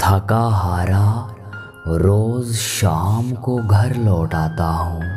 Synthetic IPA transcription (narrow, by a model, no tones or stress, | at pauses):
t̪ʰɐkaːɦaːɾa | ɾoːzʃaːmkoɡʱɐɾlɔːʈaːt̪aɦõː